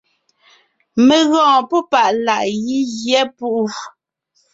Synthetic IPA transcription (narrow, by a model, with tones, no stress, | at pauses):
me˨ɣɔ̃ː˨pɔ˦pa˦˨ʔla˨ʔji˦ɣjɛ˦pu˦ʔu˦